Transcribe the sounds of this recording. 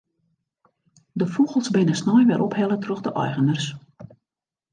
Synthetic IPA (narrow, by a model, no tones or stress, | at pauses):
dəfuɣəlˠsbɪnəsnɔjʋɛɾʔɔphɛlətrøɣdəʔɔ̰jɣənərs